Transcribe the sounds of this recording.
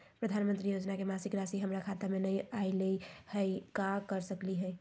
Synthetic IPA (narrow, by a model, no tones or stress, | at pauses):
pɾəd̪ʱanmənt̪ɾijod͡ʒnakemasikɾasiɦəmɾakʰat̪amenəjajləhəɪkakəɾsəkliɦəj